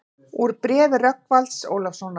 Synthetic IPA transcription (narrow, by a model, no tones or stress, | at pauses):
uɾpɾɛːvɪrœkvalt̪so̰ːwlafsɔna